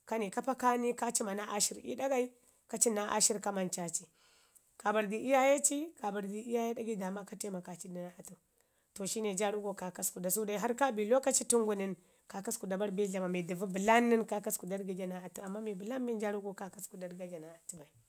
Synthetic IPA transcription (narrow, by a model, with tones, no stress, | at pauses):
ka˦ni˨ka˦pa˦ka˦ni˦ka˦t͡ʃi˦ma˨na˦ʔa̰˦ʃi˦ɾḭ˦da˦ɡa˦i˦ | ka˦t͡ʃi˦na˦ʔa̰˦ʃi˦ɾka˦ma˨nt͡ʃa˦t͡ʃi˨ | ka˨ba˨ɾdi˨ʔi˦ja˦je˦t͡ʃi˦ka˨ba˨ɾdi˨i˦ja˦je˦da˦ɡi˦da˨ma˦ka˦te˦ma˨ka˨t͡ʃi˦di˦na˦a˨tu˨ | to˨ʃi˦ne˨d͡ʒa˦ɾu˦ɡo˦ka˨ka˦sku˨da˨s̬u˦da˦˨ɦa˦ɾka˦bi˨lo˦ka˦t͡ʃi˦tu˦ŋɡu˨ni˨n | ka˨ka˦sku˨da˨ba˦ɾbi˦ɮa˨ma˨mi˨di˨vu˦bi˨la˦nːi˦nka˦ka˦sku˨da˦ɾɡi˦d͡ʒa˨na˨a˨tu˦˨a˨mːa˦mi˨bu˨la˦bi˦d͡ʒa˦ɾu˦ɡo˦ka˦ka˦sku˨da˦ɾɡa˦d͡ʒa˨na˨a˨tu˦ba˨i˨